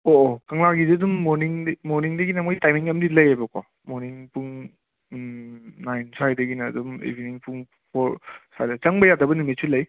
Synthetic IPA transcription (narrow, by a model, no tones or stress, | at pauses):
oʔokɐŋlaɡiziɐdumːoɾniŋdmoɾniŋdɐɡinɐmojtajmiŋɐmdilɐjajbɐka̰ | moɾniŋpuŋ | najnsʰajdɐɡinɐ̰ːdumḛbʱiniŋpʰuŋ | pʰoɾsa̰jdɐt͡ʃɐŋbɐjadɐbɐnumisʰulɐj